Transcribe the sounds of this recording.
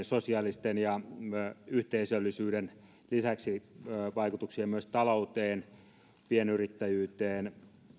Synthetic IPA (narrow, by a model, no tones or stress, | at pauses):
sosiɑlist̪enjɑ | yht̪eisølːisyːden | lisæksiʋɑikut̪uksiɑmyøst̪ɑlout̪eːn | pienyrit̪ːæjyːt̪eːn